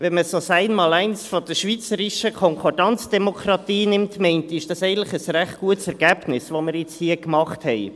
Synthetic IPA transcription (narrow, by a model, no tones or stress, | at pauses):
ʋɛnməsosæɪnmɑːlæɪnsfɔd̥̪əʃʋit͡səɾɪʃəkʰɔŋkʰoɾdɑnt͡sd̥ɛmokʰɾɑtiːnɪmtmɛɪntɪʃd̥ɑsæɪɡən̩tləχəsɾæχt̚ɡ̥uətsɛɾɡ̥æb̥nɪsʋomɪɾjɪt͡shiəkmɑχthɛɪ